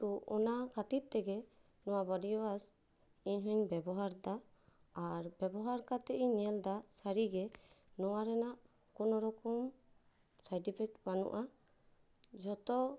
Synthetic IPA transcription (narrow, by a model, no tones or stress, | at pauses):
t̪uʔɔ̰nakat̪it̪̚ˀt̪ɛɡɛ | nɔwabɔdijɔas | iɲɦɔɲbɛbɔɦaɾd̪a | aɾbɛbɔɦaɾkat̪ɛʔiɲɛld̪asaɾiɡɛ | nɔwaɾɛnaʔ | kɔnɔɾɔkɔm | sajʈipʰɛk̚banṵʔa | d͡ʒɔt̪ɔ